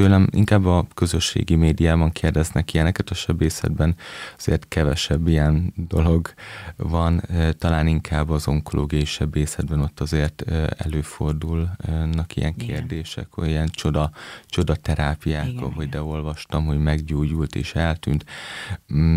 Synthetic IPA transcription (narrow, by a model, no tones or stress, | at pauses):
t̪øːlɛmḭŋkaːbːɒkø̞zøʃːḛːɡimeːd̪ijaːbɒŋkʰeːrd̪ɛznɛkiɛnɛkɛt̪ɒʃɛbeːsɛ̰d̪bɛnɒz̥ḛːrt̪kɛvɛʃɛbːijɛnd̪o̞lo̞ɡvɒnt̪ɒlaːniŋkʰaːbːɒzo̞ŋkolʔo̰ːɡiɒjiʃɛbeːsɛd̪̚bɛno̞t̪ːɒzeːrt̪ɛ̰løːfo̞rd̪ulnɒkḭjɛŋkʰeːrd̪eːʃɛ̰khoiɛnt͡ʃo̞d̪ɒt͡ʃo̞d̪ɒt̪ɛɾaːpijaːkɒ̰ɦo̞ɟd̪ɛo̞lvɒʃt̪ɒmɦo̞ɟmɛɡɟoːɟult̪ḛːʃɛlt̪y̰ːnt̪